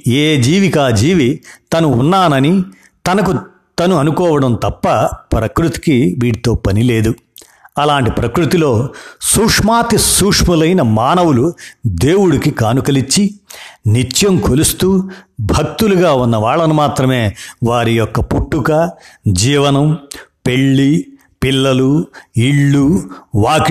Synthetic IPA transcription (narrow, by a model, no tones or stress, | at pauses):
eːd͡ʒiːʋikaːd͡ʒiːʋit̪ɐnuːnːaːnɐni | t̪ɐnɐku | t̪ɐnuɐnukɔːʋɐɽɐmt̪ɐpːɐpɾɐkɾut̪i̥kiʋiːɽit̪o̞ːpɐnile̞ːd̪u | ɐlaːɳʈipɾɐkɾut̪ilo̞ːsuːkʂmaːt̪isuːkʂmulɐjnɐmaːnɐwulud̪eːwuɽikikaːnukɐlit͡ʃːinit͡ʃjɐmkʰolust̪uːbʱɐk̚t̪uluɡaːunːɐʋaːɭːɐnumaːt̪ɾɐme̞ːʋaːɾijɔkːɐpuʈːukɐd͡ʒiːʋɐnɐmpe̞ɭːi | pilːɐluiɭːuʋaːk